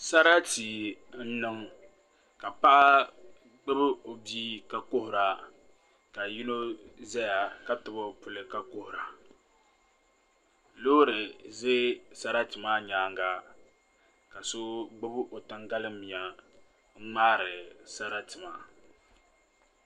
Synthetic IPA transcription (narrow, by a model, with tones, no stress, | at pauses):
sa˦ɾa˦ti˨ | n̩˦nɨ˦ŋ | ka˨pa˦ʔa˦ | ɡ͡bɨ˦bɨ˦o˨biː˦ka˨ko˦hʊ˨ɾa˨ | ka˨ji˦no˦zɛ˦ja˨ka˦tɨ˨bo˦pʊ˨lɨ˦ka˨ko˦hʊ˨ɾa˨ | lo˦ɾɨ˨ze˦sa˦ɾa˦tɨ˨ma˦ɲaː˨˦ŋɡa˦ | ka˨so˦ɡ͡bɨ˦bɨ˦ʔo˨tɨ˦ŋɡa˦lɨ˦mi˨a˨ | ŋ̩˦ŋ͡maː˦ɾɨ˨sa˦ɾa˦tɨ˨ma˨